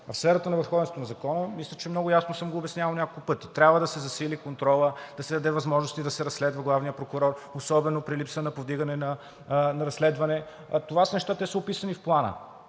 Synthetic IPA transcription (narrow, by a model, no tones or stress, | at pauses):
fsfɛɾɐt̪ənɐvəɾxɔvɛnsot̪onɐzɐkɔnəmislʲət͡ʃɛmnɔɡʊjasnosɤmɡoːbɛsnʲjavəlˠnʲakolˠkʊpɤt̪it̪ɾʲabvəd̪ɐsɛzɐsilikont̪ɾɔlˠəd̪̥ɐsɛd̪ɐd̪ɛvɐzmɔʒnost̪id̪ɐsɛɾɐsːlɛd̪vəɡlˠavnijəpɾokʊɾɔɾosɔbɛnopɾilipsənɐpovd̪iɡənɛnɐ | nɐɾɐsːlɛd̪vɐnɛ | t̪ovasənɛʃt̪at̪ɛsəopisɐnifplˠanə̰